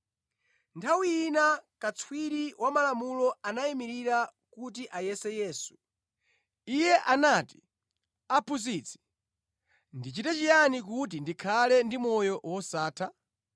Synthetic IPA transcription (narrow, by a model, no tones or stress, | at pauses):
ntʰawiinakat͡sʰwiɾiwʔamalamulɔanaimiɾiɾa | kut̬iʔajɛsɛjɛːsu̥ | ijɛʔanati̥ | apʰus̬it͡sʰi̥ | ndit͡ʃitɛt͡ʃijanikut̬indikʰalɛndimɔjɔwɔsaːtʰa